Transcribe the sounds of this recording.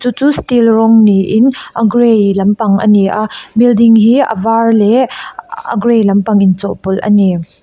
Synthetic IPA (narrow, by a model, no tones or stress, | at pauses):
t͡sut͡sustilrɔŋniʔɪnʔɐɡɾejlɐmpɐŋʔɐ̰niʔabildiŋɦiə̰varlɛʔə̰ɡɾejlɐmpɐŋint͡sɔʔpʊlʔɐ̰ni